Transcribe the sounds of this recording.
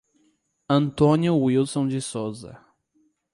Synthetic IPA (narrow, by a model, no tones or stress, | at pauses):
ɐ̃nt̪õnjʊwilsõd͡ʒɪsozɐ̰